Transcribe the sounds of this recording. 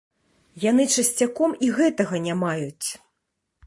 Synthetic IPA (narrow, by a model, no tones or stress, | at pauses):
janɨt͡ʂɐsʲt͡sʲakɔmiɣɛt̪ɐɣɐnʲamajut͡sʲ